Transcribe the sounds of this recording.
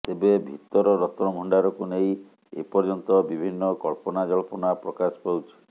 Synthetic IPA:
t̪ebebʱit̪ɔɾɔɾɔt̪ɾɔbʱɔɳɖaɾɔkunej | ḛpɔɾd͡ʒɔnt̪ɔbibʱinːɔkɔlpɔnad͡ʒɔlpɔnapɾɔkasɔ̥pawt͡ʃʰi̥

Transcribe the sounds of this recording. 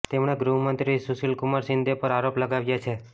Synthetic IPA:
t̪emɽ̃eɡɾuɦmənt̪ɾisusilkumaɾsɪnd̪ʱepəɾaɾopləɡaʋjat͡ʃʰe

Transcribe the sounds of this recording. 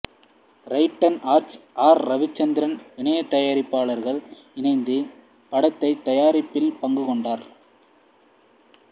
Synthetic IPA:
ɾɐɪʈːɐnaːɾt͡ʃʔaːɾːɐʋɪt͡ʃːɐnd̪ɪɾɐnʋɪɳɐjɐt̪ːɐjaːɾɪpːaːɭɐɾɣɐɭ | ɪnɐɪnd̪ɯ | pɐɽɐt̪ːɐɪt̪ːɐjaːɾɪpːɪlpɐŋɡɯkɔɳɖaːɾ

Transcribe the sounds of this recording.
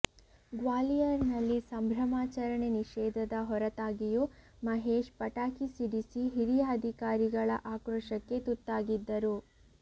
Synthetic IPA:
ɡʋaːlijɐɾnɐlːisɐmbʱɾɐmaːt͡ʃɐɾɐɳeniʃɛːd̪ʱɐd̪ɐɦɔɾɐt̪aːɡijumɐɦeːʃpɐʈaːkisiɖisiɦiɾijaːd̪ʱikaːɾiɡɐɭɐ̰ʔaːkɾɔʂɐkːe̞t̪ut̪ːaːɡid̪ːɐɾu

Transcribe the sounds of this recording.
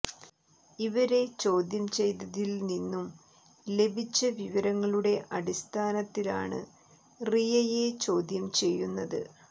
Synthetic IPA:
iʋɐɾe̞t͡ɕo̞ːd̪jɐmt͡ɕe̞jt̪ɐðilninːum | le̞bʱit͡ɕːɐʋiʋɐɾɐŋːɐɭuɽe̞ʔɐɽist̪ʰaːnɐt̪ːila̰ːɳɨ̰ | rijɐjet͡ɕo̞ːd̪jɐmt͡ɕe̞jːunːɐðɨ̰

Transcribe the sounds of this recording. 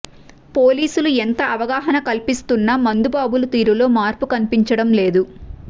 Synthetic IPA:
po̞ːliːsuluent̪ɐɐʋɐɡaːɦɐnɐkɐlpist̪unːɐmɐnd̪ubaːbulut̪iːɾulo̞ːmaːɾpukɐnipiɲt͡ʃɐɽɐmle̞ːd̪u

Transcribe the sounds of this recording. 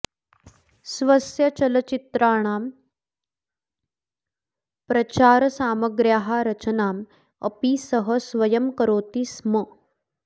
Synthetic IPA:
sʋɐsjɐt͡ɕɐlɐt͡ɕit̪ɾaːɽ̃aːm | pɾɐt͡ɕaːɾsaːməɡɾjaːɦaɾɐt͡ɕənaːm | ə̰piːsəɦəsʋɐjɐmkəɾoːt̪iːsmə

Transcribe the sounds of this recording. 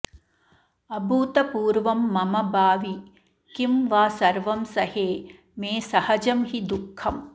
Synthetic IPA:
ɐbuːt̪ɐpuːɾʋɐmːɐmɐbaːʋi | kimʋaːsɐɾʋɐmsɐheː | meːsɐhɐd͡ʒɐmɦid̪ukʰːɐm

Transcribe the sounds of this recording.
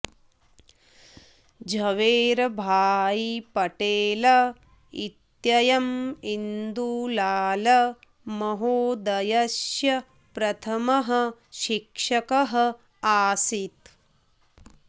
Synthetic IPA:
d͡ʒʱɐʋeːɾɐbʱaːjipɐʈeːlɐ | ḭt̪jɐjɐmind̪ulaːlɐ | mɐɦoːd̪ɐjɐsjɐ | pɾɐt̪ʰɐmɐɦɐ̆ʃikʂɐkɐɦɐ | aːsit̪

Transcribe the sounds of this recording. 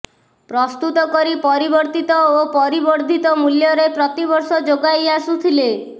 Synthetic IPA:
pɾɔst̪ut̪ɔkɔɾipɔɾibɔɾt̪it̪ɔopɔɾibɔɾd̪ʱit̪ɔmuljɔɾepɾɔt̪ibɔɾsɔd͡ʒoɡajasut̪ʰile

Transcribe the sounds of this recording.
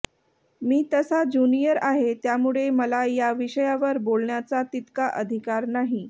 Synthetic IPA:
miːt̪əsad͡ʑunijəɾaɦet̪jamuɭeməlajaʋiɕəjaʋəɾbolɳjat͡sat̪it̪kaʔəd̪ʱikaɾnaɦi

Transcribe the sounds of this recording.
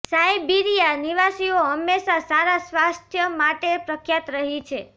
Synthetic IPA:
sajbiɾijaniʋasioɦəmːeʃasaɾasʋast̪ʰjəmaʈepɾəkʰjat̪ɾəɦit͡ʃʰe

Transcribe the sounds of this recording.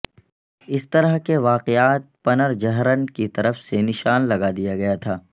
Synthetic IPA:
ɪst̪ɐɾəɦkeʋaːqeaːt̪̚pɐnəɾd͡ʒɐɦɾənkit̪ɐɾəfsenɪʃaːnlɐɡad̪ijaɡɐjat̪ʰaː

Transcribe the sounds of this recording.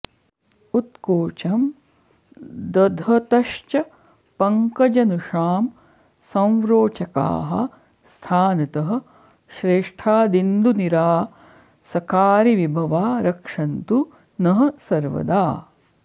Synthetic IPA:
ut̪koːt͡ʃɐm | d̪ɐd̪ʱɐt̪ɐʃt͡ʃɐ | pɐŋkɐd͡ʒɐnuʂaːm | sɐ̃w̃ʋɾoːt͡ʃɐka̰ːɦɐ̰̆ | st̪ʰaːnɐt̪ɐɦɐ̆ | ʃɾeːʂʈʰaːd̪ind̪uniɾaː | sɐkaːɾiʋibʱɐʋaːɾɐkʂɐnt̪u | nɐɦɐ̆sɐɾʋɐ̰d̪aː

